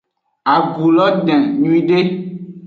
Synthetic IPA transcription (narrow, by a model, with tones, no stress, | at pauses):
a˨ɡu˨lɔ˦ɖɛ̃˨ɲũ˦ĩ˦ɖe˦